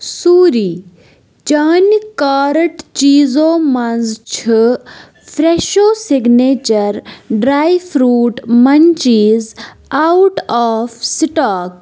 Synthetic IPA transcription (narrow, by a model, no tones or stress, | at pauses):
suːɾiː | d͡ʒaːnkaːɾəʈt͡ʃiːzoːmɐnzt͡ʃʰɨ | pʰɾeːʃoːsiɡneːt͡ʃɐɾɖɾaːjfʰɾuːʈmɐnt͡ʃiz | awuʈaːfsiʈaːk